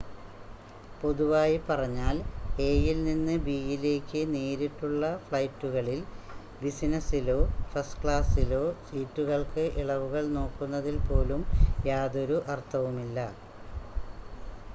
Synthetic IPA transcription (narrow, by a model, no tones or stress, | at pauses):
po̞ðuʋaːjipɐrɐɲːaːle̞ːjilninːɨbiːjile̞ːkʲːɨniːɾiʈːuɭːɐfɭɐjtːuɣɐɭil | bisinɐsilo̞ːfɐskɭaːsilo̞ːsiːtːuɣɐɭkɨʔiɭɐʋuɣɐɭno̞ːkːunːɐðilpo̞ːlumjaːðo̞ɾuʔɐrt̪ʰːɐʋumilːɐ